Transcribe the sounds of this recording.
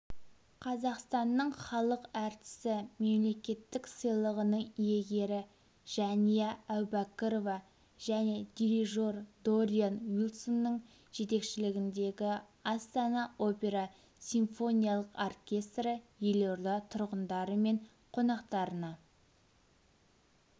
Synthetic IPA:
qʰɑzɑqst̪ɑnːəɴχɑlˠəqæɾt̪ɪ̥sɪme̞mle̞kʲe̞t̪ːɪksəjlˠəʁənəɴije̞ɡʲe̞ɾɪ | ʒ̥ɑnijɑːwbɑkəɾovɑ | ʒ̥æne̞d̪ʲiɾiʒo̞rd̪oɾʲianwilˠsonːəɴ | ʒ̥e̞t̪e̞kʃɪlɪɡʲɪnd̪e̞ɡʲɪ | ɑst̪ɑnɑo̞pʲe̞ɾɑ | sʲiɱfo̞nʲijɑlˠəqorkʲe̞st̪ɾəjeloɾd̪ɑt̪ʰʊɾʁənd̪ɑɾəme̞ɴ | qʰo̞nɑqt̪ɑɾənɑ

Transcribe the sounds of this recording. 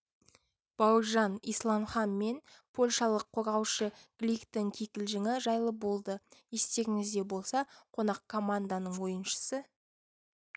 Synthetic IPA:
b̥ɑwəʒɑnijslˠɑmχɑnme̞npʰo̞lʲʃɑlˠəqʰːo̞ɾʁɑwʃəɡ̥lʲikt̪oŋkʲʰekʲɪlʒɪŋɪʒɑjlˠəbo̞lˠd̪əje̞st̪e̞ɾʲɪŋɪzd̪e̞bo̞lˠsɑqʰo̞nɑq̚kʰo̞mand̪anəɴwo̞jənʃə̥sə

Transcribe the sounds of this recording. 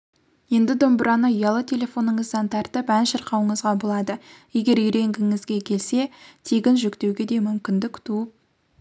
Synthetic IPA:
je̞nd̪ɪd̪o̞mbəɾɑnəjɑlˠət̪ʰe̞lʲe̞fo̞nəɴəzd̪ɑnt̪ʰɑɾt̪əpænʃəɾqɑwəɴəzʁɑbolˠɑd̪əje̞ɡʲe̞ɾʏjɾe̞ŋɡʲɪŋɪzɡʲe̞kʲʰe̞lse̞t̪ʰe̞ɡʲɪnʒʏkt̪e̞wɡʲe̞d̪e̞mʏmkʲɪnd̪ɪkt̪ʰuəp̚

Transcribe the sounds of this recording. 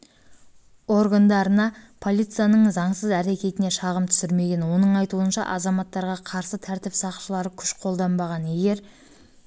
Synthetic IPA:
o̞ɾɡand̪ɑɾənɑpʰo̞lˠijt̪sɨjanəɴzɑɴsəzæɾe̞kʲe̞t̪ɪne̞ʃɑʁəmt̪ʰʏ̥sɪɾme̞ɡʲe̞nwo̞nəɴɑjt̪uənʃɑ̰ʔɑzɑmɑt̪ːɑɾʁɑqʰɑɾsət̪ʰæɾt̪ɪpsɑqʃəlˠɑɾəkʲʰʏ̥ʃqʰo̞lˠd̪ɑmbɑʁɑne̞ɡʲe̞ɾ

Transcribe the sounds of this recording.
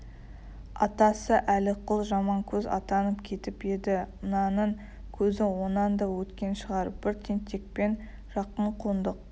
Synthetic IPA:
ɑ̰t̪ɑsəʔælɪqʰʊlˠʒɑmɑŋkʲʰɵzɑ̰t̪ɑnəpkʲʰe̞t̪ɪpe̞d̪ɪənɑnəɴ | kʲʰɵzɪwo̞nɑnd̪ɑwɵt̪kʲe̞nʃəʁɑɾəb̥ɪɾt̪ʰent̪ʰe̞k̚pe̞n | ʒ̥ɑqəɴqʰuənd̪əq̚

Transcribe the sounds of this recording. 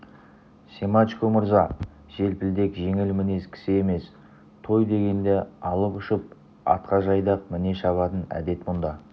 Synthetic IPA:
sʲemat͡ʃkomʊɾzɑ | ʒ̥e̞lpɪld̪e̞kʒe̞ŋɪlmɪne̞skʲʰɪ̥sɪe̞me̞s | t̪ʰo̞jd̪e̞ɡʲe̞nd̪e̞ɑlˠəpʊʃəp̚ | ɑ̰t̪̚qɑʒɑjd̪ɑqmɪne̞ʃɑβɑt̪ənæ̰d̪e̞t̪mʊnd̪ɑ

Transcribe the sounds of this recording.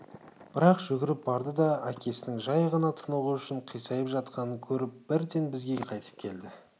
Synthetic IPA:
b̥ɪɾɑqʒ̥ʏɡʲɪɾɪp̚bɑɾd̪əd̪ɑækʲʰe̞sɪnɪŋʒɑjʁɑnɑt̪ʰənəʁəʏʃɪɴqʰijsɑjəpʒɑt̪qɑnəkʲʰɵɾɪp̚b̥ɪɾd̪enbɪzɡʲe̞qʰɑjt̪ə̥p̚kʲʰe̞ld̪ɪ

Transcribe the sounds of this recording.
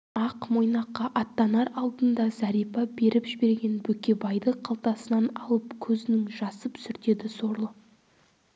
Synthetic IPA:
ɑqmo̞jnɑqːɑʔɑt̪ːɑnɑɾɑlˠd̪ənd̪ɑzɑɾijpɑbe̞ɾɪpʒɪbe̞ɾɡʲe̞nbɵkʲe̞bɑjd̪əqʰɑlˠt̪ɑsənɑnɑlˠəpkʲʰɵzɪnɪŋʒɑsəpsʏɾt̪e̞d̪ɪso̞ɾlˠə

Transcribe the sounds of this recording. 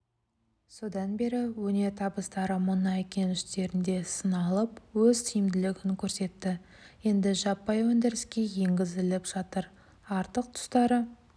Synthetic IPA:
so̞d̪ɑnbe̞ɾɪwɵne̞ɾt̪ʰɑbəst̪ɑɾəmʊnɑekʲe̞nʏst̪e̞ɾɪnd̪e̞sənɑlˠəpwɵzt̪ʰijɪmd̪ɪlɪɡʲɪŋkʲʰɵɾse̞t̪ːɪ | je̞nd̪ɪʒɑpːɑjwɵnd̪ɪɾɪskʲe̞je̞ŋɡʲɪzɪlɪpʒ̥ɑt̪əɾ | ɑɾt̪əq̚t̪ʰʊ̥st̪ɑɾə

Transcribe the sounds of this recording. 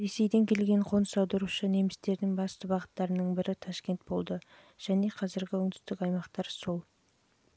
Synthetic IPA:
ɾe̞se̞jd̪e̞ŋkʲʰe̞lɡʲe̞ɴqʰo̞nəsɑwd̪əɾuʃəne̞mɪst̪e̞ɾd̪ɪŋbɑst̪əbɑʁət̪ːɑɾənəɴbɪɾɪt̪ʰɑʃkʲe̞nt̪̚bo̞lˠd̪ə | ʒ̥æne̞qʰɑzɪɾɡʲɪɵŋd̪ʏst̪ɪkɑjmɑqt̪ɑɾsolˠ

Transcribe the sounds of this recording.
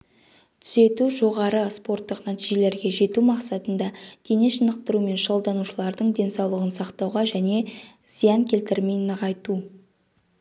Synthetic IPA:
t̪ʰʏ̥z̥e̞t̪uʒo̞ʁɑɾəspo̞rt̪ːəqnæt̪iʒe̞le̞ɾɡʲe̞ʒe̞t̪umɑqsɑt̪ənd̪ɑd̪̥ʰeneʃənəq̚t̪əɾume̞nʃo̞lˠd̪ɑnuʃəlˠɑɾd̪əɴd̪e̞nsɑwlˠəʁənsɑqt̪ɑwʁɑʒæne̞ | z̥ijɑŋkʲʰe̞lt̪ɪɾme̞jnəʁɑjt̪u

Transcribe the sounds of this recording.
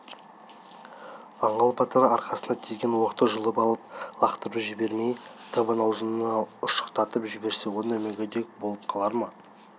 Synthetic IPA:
ɑɴɑlˠpʰɑt̪əɾɑɾqɑsənd̪ɑt̪ʰijʲɡʲenwoqt̪əʒʊlˠəpɑlˠəp̚lˠɑqt̪əɾəpʒɪbe̞ɾmejt̪ʰɑβɑnɑwzənənɑʊʃə̥qt̪ɑt̪əpʒʏbe̞ɾse̞wonemeɡʲed̪e̞k̚bolˠəp̚qʰɑlˠɑɾmɑ

